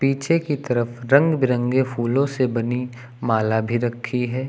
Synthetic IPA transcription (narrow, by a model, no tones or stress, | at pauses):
piːt͡ʃʰekit̪ɐɾəfɾɐ̃ŋɡbɪɾə̃ŋɡefuːlõsebɐni | maːlabʱiɾɐkʰːiɦɛː